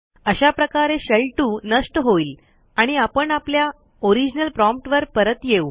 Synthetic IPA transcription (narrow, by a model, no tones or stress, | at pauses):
əɕapɾəkaɾeɕəɭʈuːnəsʈɦoiːl | aɽ̃iapəɳaplja | oɾid͡ʑnəlpɾɔmp̚ʈʋəɾpəɾət̪jeu